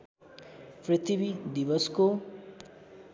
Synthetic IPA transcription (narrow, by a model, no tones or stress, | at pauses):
prit̪ʰibid̪ibʌsko